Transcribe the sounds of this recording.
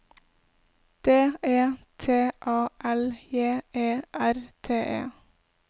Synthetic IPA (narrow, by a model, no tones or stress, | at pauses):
d̪̥eːeːt̪ʰeːʔɑːʔɛljeːeːʔæɾt̪ʰeːʔḛː